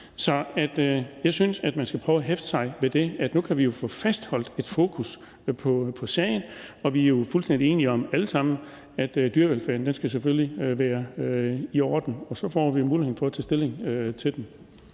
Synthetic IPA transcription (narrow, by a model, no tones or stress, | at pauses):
sɒ̽æd̥jɑ̈ɪsynsæd̥mænsɡ̥æpʰʁœːʊæɦefd̥ə̥sɑ̈ɪʋe̝d̥e̝æd̥nukʰæʋijo̝fɔ̽ːfæsd̥hɒ̽l̰d̥e̝d̥fo̝ːkʰus | pʰɒ̽pʰɒ̽sɛɪn̩ɒ̽ʋiæɐjo̝fulsd̥en̰d̥ie̝ːniɒ̽mæləsɑ̈m̰n̩ | æd̥d̥yɐʋelfæːɐn̩d̥ensɡ̥æs̬eføliʋæːɐøiɒːd̥n̩ɒ̽sɒ̽fɒ̰ːʋimuːliheð̰ˠn̩fɒ̽ɐt͡sʰɛ̰ːsd̥e̝le̝ŋøt͡sʰe̝d̥em